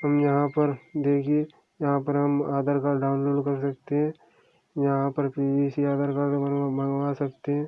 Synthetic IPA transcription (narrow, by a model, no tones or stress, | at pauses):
ɦɐmjɐɦãpɐɾd̪eːkʰie | jɐɦãpɐɾɦɐmaːd̪əɾkaːɾɖaːʊnloːɖkɐɾsɐk̚t̪eɦɛ̃ | jɐɦãpɐɾpiːbisiaːd̪əɾkaːɾbɐnʋasɐk̚t̪eɦɛ̃